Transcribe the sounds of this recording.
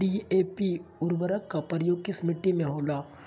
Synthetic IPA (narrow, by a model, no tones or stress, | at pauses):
ieːpiʊɾbəɾəkːapɐɾjoːɡismɪʈːimẽɦoːlaː